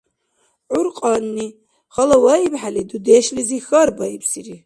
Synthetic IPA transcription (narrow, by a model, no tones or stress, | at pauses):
ʕʊɾqʼɑnːi | χɐlɐwaibħalid̪ud̪eʃlizixɐɾbajpʰsiri